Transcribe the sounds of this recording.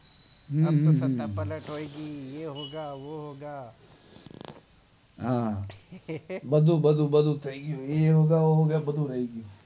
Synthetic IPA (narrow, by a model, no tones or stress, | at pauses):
ɦə̃ːɦː | oiɡiːjeɦoːɡaːʋoɦoːɡaː | ɦãː | bəd̪uːbəd̪uːbəd̪uːt̪ʰəiːɡɪjoːjeɦoːɡaːʋoːɦoːɡaːbəd̪uːɾəiːɡɪjoː